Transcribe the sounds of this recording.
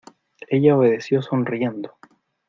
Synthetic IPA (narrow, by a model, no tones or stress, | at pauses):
e̞ʝaoβeðe̞sjo̞sonrie̞nd̪o